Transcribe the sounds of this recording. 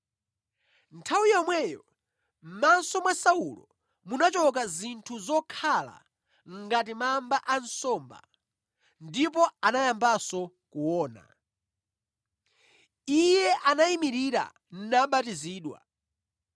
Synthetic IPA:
ntʰawijɔmwɛjɔ | m̩mansɔmwasaulɔ̰ | munat͡ʃɔk̬azintʰuzɔkʰala̰ | ŋ̩ɡat̬imambaʔansɔmba̰ | ndipɔanajambasɔ | kuwɔːna̰ | ijɛʔanaimiɾiɾa̰ | n̩naɓatiziːɗwa̰

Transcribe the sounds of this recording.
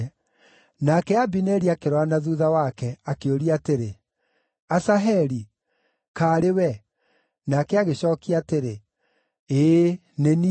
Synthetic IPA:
nakɛabinɛɾiakeɾwanaðuðawakɛakeoɾiateɾe | asaɦɛɾi | kaːɾewɛ | nakɛaɣeɕɔːkiateɾe | eː | neni

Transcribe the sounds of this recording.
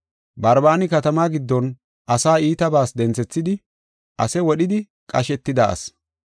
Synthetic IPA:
bɐɾbaːnɪkɐt̪ɐmaːɡɪd̪ːɔn | ʔɐsaːiːt̪ɐbaːsd̪ɛnt͡sɛt͡sːɪd̪ɪ | ʔɐsɛwɔɗɪd̪ɪ | kʼɐʃɛt̪ːɪd̪ɐʔɐ̰s

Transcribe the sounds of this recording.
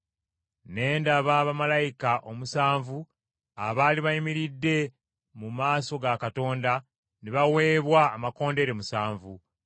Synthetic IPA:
ne̞ːndaβaβamalajikaʔo̞musaːɱvu | a̰βaːliβaimiɾidːe̞ | mumaːso̞ɡakato̞ːnda | neβawe̞ːβwaːmako̞ːnde̞ɾemusaːɱvu

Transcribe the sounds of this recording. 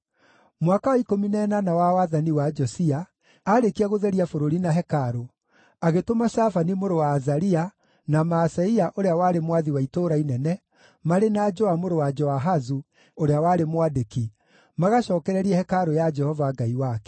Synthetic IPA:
mwakawaikominɛːnanawawaðaniwad͡ʒɔsia | aɾekiaɣoðɛɾiafoɾoɾinaɦɛkaɾo | aɣetomaʃafanimoɾowaːzaɾia | namasaiaʔoɾeawaːɾemwaðiwaitoɾainɛnɛ | maɾenad͡ʒɔamoɾowad͡ʒɔaɦazu | oɾeawaːɾemwadeki | maɣaɕɔːkɛɾɛɾiɛhɛkaɾojad͡ʒɛhɔvaɡaiwaːkɛ̥

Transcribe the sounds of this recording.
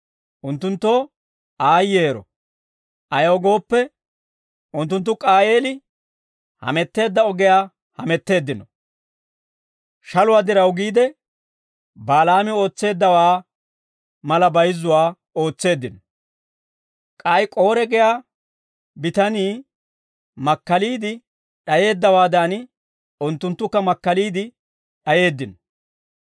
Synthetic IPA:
ʔʊnt̪ːʊnt̪ːoː | aːjːe̞ːɾɔ̰ | ʔɐjɐwɔɡo̞ːpːɛ | ʔʊnt̪ːʊnt̪ːʊkʼaːje̞ːlɪ | hɐ̰mɛt̪ːe̞ːd̪ːɐɔɡɛjaː | hɐmɛt̪ːe̞ːd̪ːɪnɔ | ʃɐlʊwaːd̪ɪɾɐwɡiːd̪ɛ | baːlaːmɪo̞ːt͡sːe̞ːd̪ːɐwaː | mɐlɐbɐjzːʊwaː | o̞ːt͡sːe̞ːd̪ːɪnɔ | kʼɐjkʼo̞ːɾɛɡɛjaː | bɪt̪ɐniː | mɐkːɐliːd̪ɪ | ɗɐje̞ːd̪ːɐwaːd̪aːn | ʊnt̪ːʊnt̪ːʊkːɐmɐkːɐliːd̪ɪ | ɗɐje̞ːd̪ːɪnɔ̥

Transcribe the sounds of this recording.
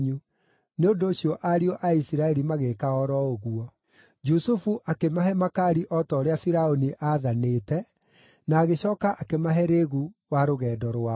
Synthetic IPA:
ɲu | neondoːɕiɔʔaɾiɔʔaisiɾaɛɾimaɣekaɔɾɔoɣuɔ | d͡ʒusufuʔakemaɦɛmakaɾiʔɔtɔːɾeafiɾaoniʔaðanetɛ | naːɣeɕɔːkaʔakemaɦɛɾeɣuwaɾoɣɛːdɔɾwa

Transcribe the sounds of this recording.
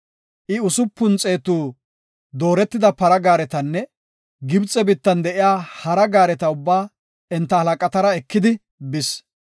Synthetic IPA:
ʔɪʊsʊpːʊnt͡sʼe̞ːt̪uː | d̪o̞ːɾɛt̪ːɪd̪ɐpɐɾɐɡaːɾɛt̪ɐnːɛ | ɡɪbt͡sʼːɛbɪt̪ːɐnd̪ɛʔɪjaːhɐɾɐɡaːɾɛt̪ɐʊbːaː | ɛnt̪ːɐhɐlɐkʼɐt̪ɐɾɐɛkːɪd̪ɪ | bɪs

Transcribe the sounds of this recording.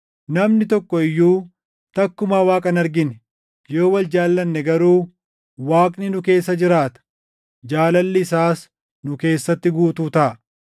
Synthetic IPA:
nɐmnɪt̪ɔkːɔɪjːuː | t̪ɐkːʊmaːwaːkʼɐnɐɾɡɪnɛ | joːwɐld͡ʒaːlːɐnːɛɡɐɾuː | waːkʼnɪnʊke̞ːsːɐd͡ʒɪɾaːt̪ɐ̥ | d͡ʒaːlɐlːɪɪsaːs | nʊke̞ːsːɐt̪ːɪɡuːt̪uːt̪ɐʔɐ

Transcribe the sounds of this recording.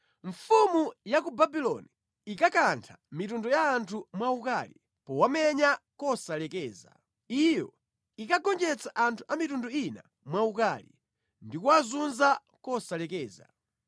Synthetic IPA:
ɱfumujakubabilɔ̰ni | ikakantʰamitundɔjaːntʰumwaukalḭ | pɔwamɛɲakɔsalɛkɛːza̰ | ijɔ | ikaɡɔnd͡ʒɛt͡saʔantʰuʔamitundɔina̰ | mwaukaːlḭ | ndikuazunza | kɔsalɛkɛːza̰

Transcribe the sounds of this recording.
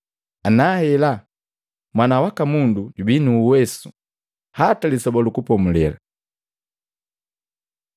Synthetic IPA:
anahɛla | mwanawakamunduɟubinuwɛsu̥ | hatalisɔbɔlukupɔmulɛ̰la

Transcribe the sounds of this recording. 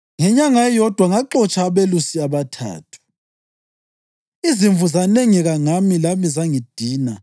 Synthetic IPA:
ŋɛɲaŋaɛjɔd̥ʱwaŋaǃɔt͡ʃʰʼaːβelusiaβatʰa̰ːtʰu̥ | iziɱvuzaneŋiɣaŋamilamizaŋid̥ʱiːna

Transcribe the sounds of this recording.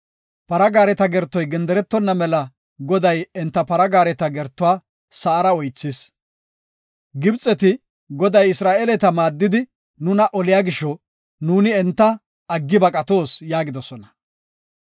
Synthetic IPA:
pɐɾɐɡaːɾɛt̪ɐɡɛɾt̪ːɔjɡɛnd̪ɛɾɛt̪ːɔnːɐmɛlɐ | ɡɔd̪ɐjɛnt̪ːɐpɐɾɐɡaːɾɛt̪ɐɡɛɾt̪ːʊwaː | sɐːɾɐɔjt͡sːɪs | ɡɪbt͡sʼːɛt̪ɪ | ɡɔd̪ɐjɪsɾaːʔelɛt̪ɐmaːd̪ːɪd̪ɪ | nʊnɐʔɔlɪjaːɡɪʃːɔ | nuːnɪɛnt̪ːɐ | ɐɡːɪbɐkʼɐt̪o̞ːsjaːɡɪd̪ɔsɔnɐ

